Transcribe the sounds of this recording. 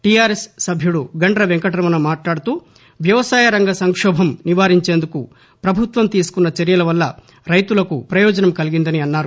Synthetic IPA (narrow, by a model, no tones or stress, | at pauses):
ʈijaːɾesːɐbʱjuɽuɡɐɳɖɾɐʋeŋkɐʈɐɾɐmɐnɐmaːʈlaːɽut̪uː | ʋjɐʋɐsaːjɐɾɐŋɡɐsɐŋkʂɔːbʱɐmniʋaːɾiɲt͡ʃeːnd̪uku | pɾɐbʱut̪ʋɐmt̪iːsu̥kunːɐt͡ʃɐɾjɐlɐʋɐlːɐ | ɾɐjt̪ulɐkupɾɐjɔːd͡ʒɐnɐmkɐliɡind̪ɐniɐnːaːɾu